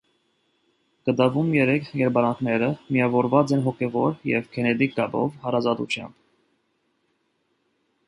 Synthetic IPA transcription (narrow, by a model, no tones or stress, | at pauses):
ɡ̥ət̪ɑvumjɛɾɛkʰjɛɾbɑɾɑŋkʰnɛɾəmijɑvɔɾvɑt͡sɛnɦɔkʰɛvɔɾjɛ̰vkʰɛnɛt̪ikːɑbɔ̰vhɑɾɑzɑt̪ṵt͡ʃʰjɑ̰mb̥